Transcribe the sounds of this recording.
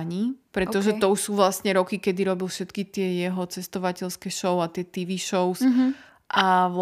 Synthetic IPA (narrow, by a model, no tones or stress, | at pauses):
ɲipɾɛt̪ɔʒɛt̪ɔuʃsuːʋlasɲɛɾɔkikɛd̪iɾɔbilfʃɛt̪kit̪ɪɛjɛɦɔt͡sɛst̪ɔʋacɛʎskɛʃɔʊat̪ɪɛt̪iʋiʃɔʊs | ʔaʋ